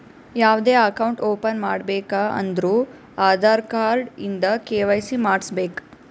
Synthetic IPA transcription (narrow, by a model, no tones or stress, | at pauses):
jaːʋd̪eːɐkɐwɳʈoːpɐnmaːɽbɛːkaɐ̰nd̪ɾuː | aːd̪ʱaːɾkaːɾɖind̪ɐkeːʋɐjsimaːɽsbeːk